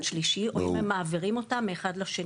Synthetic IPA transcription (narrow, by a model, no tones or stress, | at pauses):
nʃliʃiomemːaːviʁimo̞tamːeːχadlaʃe